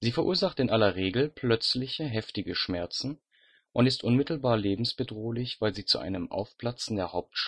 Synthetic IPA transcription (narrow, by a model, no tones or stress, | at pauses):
z̥iːfɛɐʔuːɐzaχtɪnʔalɐʁeːɡl̩pʰl̥œt͡slɪçəɦɛftɪɡəʃmɛɐt͡sn̩ | ʔʊntɪstʔʊnmɪtl̩baːɐleːbm̩sb̥ədʁoːlɪçv̥aɪlziːt͡suʔa̰ɪnəmʔa̰ʊfpl̥at͡sɪndeːɐhaʊp̚tʃ